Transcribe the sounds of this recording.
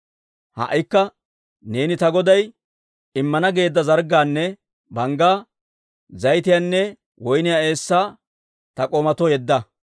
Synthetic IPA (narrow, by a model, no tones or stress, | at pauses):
hɐ̰ʔɪkːɐ | ne̞ːnɪt̪ɐɡɔd̪ɐj | ɪmːɐnɐɡe̞ːd̪ːɐzɐɾɡaːnːɛ | bɐŋɡaː | zɐjt̪̬ɪjaːnːɛ | wɔjnɪjaːe̞ːsːaː | t̪ɐkʼoːmɐt̪ɔjɛd̪ːɐ